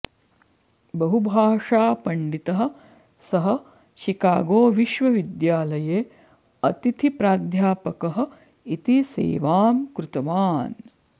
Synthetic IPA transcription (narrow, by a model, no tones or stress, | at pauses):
bɐɦubʱaːʂaːpɐɳɖit̪ɐɦɐ̆ | sɐɦɐ̆ | ʃikaːɡoːʋiʃʋɐʋid̪jaːlɐjeː | ɐt̪it̪ʰipɾaːd̪ʱjaːpɐkɐɦɐ̆ | it̪isḛːʋaːmkɾut̪ɐʋaːn